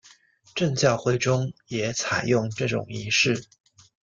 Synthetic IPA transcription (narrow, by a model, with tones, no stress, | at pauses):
ʈ͡ʂɤ˥˧ŋt͡ɕjɑ˥˧ʊxwe˥˩ɪʈ͡ʂʊ˥ŋjɛ˨˩˦t͡sʰa˨˩ɪjʊ˥˧ŋʈ͡ʂɤ˥˩ʈ͡ʂʊ̰˨˩ŋi˧˥ʂɻ̩˥˩